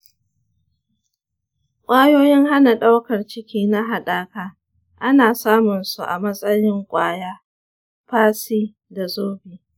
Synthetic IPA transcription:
kʷʼaː˦joː˦jɪ˦ŋɦa˦na˨ɗa˦wkɐ˨rt͡ʃɪ˦kʲiː˦na˦ɦa˨ɗaː˦kaː˦ | ʔa˦naː˨saː˦mʊ˨nsu˨ʔa̰˨mɐ˦sʼɐ˦jɪ˦ŋkʷʼaː˦jaː˦ | ɸaː˦siː˦ | da˨zoː˦biː˨

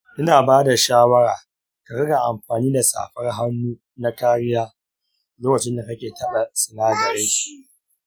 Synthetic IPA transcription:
ʔɪ˦naː˨baː˦da˨ʃaː˦wɐ˦ɾaː˨ | ka˨ɽɐ˦ɡa˨ʔa˨mɸaː˨niː˦da˨sa̰ː˨ɸɐ˦rɦa˦nːuː˦ | na˦kaː˦ɽɪ˦jaː˦ | loː˦kɐ˨t͡ʃɪ˦nda˨kɐ˦kʲeː˨tɐ˦ɗa˨sɪ˨naː˦zɐ˨ɾa˦ʃi˦

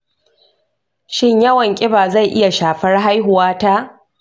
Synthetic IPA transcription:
ʃɪ˦ɲjɐ˦wɐ˨ŋkʲʼɪ˦baː˨za˦˨jʔɪ˦ja˨ʃaː˨ɸɐ˦rɦa˦jɦʊ˨waː˦ta˦ʔ

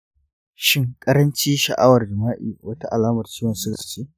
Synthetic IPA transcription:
ʃɪ˦ŋkʼɐ˦ɾɐ˦nt͡ʃiː˦ʃɐ̰˨ʔa˦wɐ˨rd͡ʒɐ˨maː˦ʔḭː˨wʔɐ˦ta˦ʔa˨laː˦mɐ˨rt͡ʃiː˦wɐ˨nsʊ̥˦˨t͡ʃeː˦

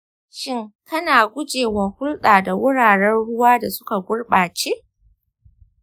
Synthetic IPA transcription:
ʃɪ˦ŋkɐ˦naː˨ɡʷʊ˦d͡ʒeː˨wɐ˨hʊ˦lɗaː˨da˨wʊ˦ɽaː˨ɽɛ˦nɽʊ˦waː˦da˨sʊ˦ka˨ɡʷʊ˦ɽɓaː˨t͡ʃeː˦ʔ

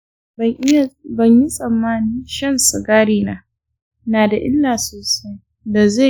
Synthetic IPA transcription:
bɐ˨ɲji˦sʼɐ˨mːaː˦ni˦nʃɐ˦nsu˨ɡaː˦ɽiː˦naː˨˦ | naː˨da˨ʔɪ̰˦lːaː˨soː˨sa˦j | da˨za˦˨

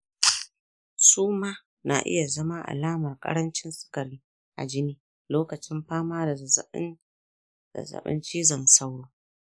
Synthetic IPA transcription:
suː˦maː˦ | na̰˨ʔɪ̰˦ja˨zɐ˦ma˦ʔa̰˨laː˦mɐ˨rkʼɐ̰˦ɽɐ˦nt͡ʃɪ˦nsɪ̥˦kɐ˨ɾiː˦ | ʔa̰˨d͡ʒɪ˦niː˦ | loː˦kɐ˨t͡ʃɪ˦mɸaː˦maː˦da˨˦ | a̰˨zɐ̰˨ɓɪ̰˦nt͡ʃiː˦zɐ˨nsɐ˦wɽoː˦

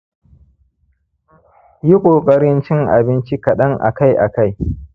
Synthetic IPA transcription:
ji˦kʷʼoː˨kʼɐ˦ɽɪ˦nt͡ʃɪ˦ŋʔa̰˨bɪ˦nt͡ʃi˦kɐ˨ɗɐ˦ŋʔa̰˨ka˦jʔa̰˨ka˦j

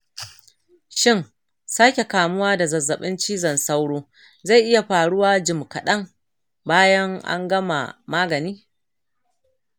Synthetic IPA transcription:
ʃɪ˦ŋ | saː˦kʲe˨kaː˨mʊ˦waː˦da˨zɐ˨zːɐ˨ɓɪ˦nt͡ʃiː˦zɐ˨nsa˦wɽoː˦ | za˦˨jʔɪ˦ja˨ɸaː˨ɽʊ˦waː˦d͡ʒɪ˨mkɐ˨ɗɐ˦ŋ | baː˦jɐ˦ŋʔa̰˦ŋɡɐ˦ma̰˨maː˦ɡɐ˨niː˦

